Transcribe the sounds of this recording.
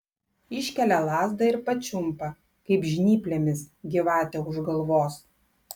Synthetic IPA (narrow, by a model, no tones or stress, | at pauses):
ɪʃʲkʲɛlʲɛlˠɑːzd̪ɐɪɾpɐt͡ʃʲʊmpɐ | kɐɪpʒʲnʲiːpʲlʲemʲɪsɡʲɪʋɑːt̪ʲɛʊʒɡɐlˠʋoːs